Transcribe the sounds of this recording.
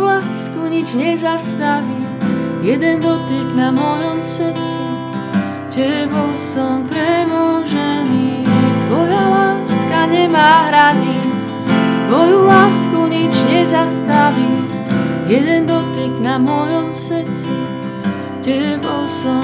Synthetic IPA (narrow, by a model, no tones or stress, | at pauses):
laːskuɲid͡ʒɲɛzast̪aʋijɛd̪ɛnd̪ɔt̪iɡnamɔjɔmsəɾ̩t͡si | cɛbɔlsɔmpɾɛmɔʒɛniːat̪ʋɔjalaːskaɲɛmaːɦɾaniː | t̪ʋɔjulaːskuɲid͡ʒɲɛzast̪aʋi | jɛd̪ɛnd̪ɔt̪iɡnamɔjɔmsɾ̩t͡si | cɛbɔlsɔ